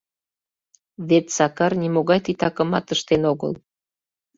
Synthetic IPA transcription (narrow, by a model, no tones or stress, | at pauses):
βet̪sɑkɑrnʲimoɣɑjt̪it̪ɑkə̆mɑt̪əʃt̪enoɣə̰l